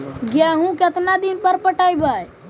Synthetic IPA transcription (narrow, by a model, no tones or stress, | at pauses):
ɡjɛɦũket̪nad̪inpəɾpəʈajbəj